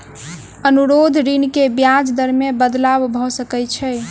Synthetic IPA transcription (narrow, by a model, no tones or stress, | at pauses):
ənuɾod̪ʱɾinkebjad͡ʒd̪əɾmebəd̪labbʱɔsəkɛt͡ʃʰɛ